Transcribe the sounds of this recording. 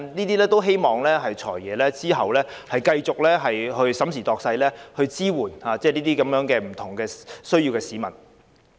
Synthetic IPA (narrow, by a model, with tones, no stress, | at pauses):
niː˥t̪iː˥lɛː˥t̪o˥wɦe˥jmɔː˨ŋlɛː˥ɦɐ˨jt͡ʃʰɔ̰ː˨˩jːɛː˨˧lɛː˥t͡siː˥ɦɐ˨wlɛː˥hɐ˨jkɐ˧jt͡sʊ˨k̚lɛː˥ɦɐ˨jɦɵ˧ɥsɐ˨˥msiː˨˩t̪ɔː˨k̚sɐ˧jlɛː˥hɵ˧ɥt͡siː˥wuː˨˩nhaː˨˧t͡sɛː˥˩liː˥t̪iː˥kɐ˨˥mjœː˨˧˥ŋkɛː˧m̩˨˩t̪ʰʊ˨˩ŋkɛː˧sɵ˥ɥjiː˧wkɛː˧siː˨˥mɐ˨˩n